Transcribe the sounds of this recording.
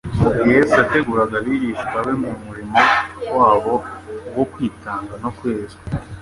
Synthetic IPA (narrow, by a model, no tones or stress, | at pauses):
muɡijesate̞ɡuːɾaɡaβiɾiʃɡaβemumuɾimowaːβo̞ɡo̞kwiːtʰaːŋɡanokwe̞ːza